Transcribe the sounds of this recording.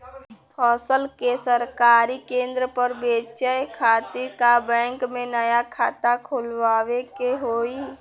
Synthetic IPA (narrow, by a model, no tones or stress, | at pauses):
pʰɔːsəlkesəɾkaːɾikẽnd̪ɾəpəɾbeːt͡ʃəjkʰaːt̪ɪɾkabɛ̃ːŋkmẽnəjakʰaːt̪akʰulʋaːʋekeɦoːi